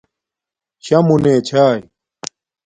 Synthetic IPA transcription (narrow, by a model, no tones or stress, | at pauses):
ɕɐmuneːt͡ɕʰaːj